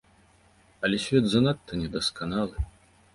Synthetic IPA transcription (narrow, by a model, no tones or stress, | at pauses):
ɐlʲɛsʲvʲɛd̪zanat̪ʰːɐnʲɛd̪ɐskanalˠɨ